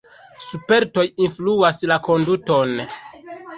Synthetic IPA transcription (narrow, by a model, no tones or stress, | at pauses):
supe̞ɾto̞jinfluaslako̞nduto̞n